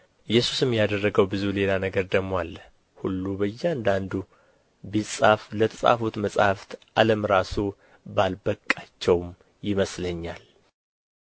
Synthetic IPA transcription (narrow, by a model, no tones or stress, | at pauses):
ʔɨjːɛsu̥sɨmjad̪ərːəɡəwbɨzule̞lanəɡəɾd̪əmwalː | hulːubəjːɛand̪and̪u | bisʼaflət̪ʰəsʼa̰fut̪məsʼhaft̪ʔaləmɾasu | balbəkʼːat͡ʃːɛwm | jɪməsləɲːal